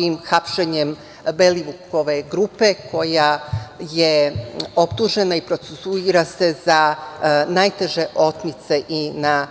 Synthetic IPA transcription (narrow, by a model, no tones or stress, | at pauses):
imxapʃeɲem | beliʋuko̞ʋe̞ɡɾupe̞kʰo̞jajeo̞pt̪uʒe̞naipɾo̞t̪sesuiɾase̞za | najt̪e̞ʒe̞ʔo̞t̪nit̪se̞ʔina